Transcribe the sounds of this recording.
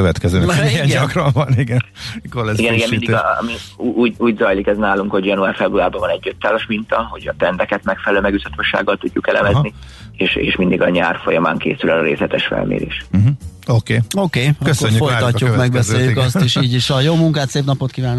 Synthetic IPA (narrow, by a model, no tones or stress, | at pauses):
køvɛt̪kɛzøːniɛɲɒkrɒɱvɒniɡɛnkolɛiɡɛniɡɛmmid̪imiuːɟuːɟzɒjlikɛznaːluŋkho̞ɟjɒnuaːrfɛbruaːrbɒvɒnɛɟːøt̪ːaːzoʃmint̪ɒho̞ɟɒt̪ɛnd̪ɛkɛt̪mɛkfɛlɛløːmɛɡyt̪ɒt̪oʃa̰ːɡːɒlt̪uɟːukɛlɛ̰mɛzni | eːʃḛːʃmind̪iɡɒɲaːrfojɒma̰ːŋkḛːsylɒɾḛːslɛt̪ɛʃfɛ̰lmḛːɾḛːʃm̩ɦ̩okeːokeːkøsøɲːyfoj̪ɒcːukmɛɡbɛsseːjykɒsiʃiːɟiʃɒjoːmuŋkaːt̪seːpnɒpot̪kivaːnːo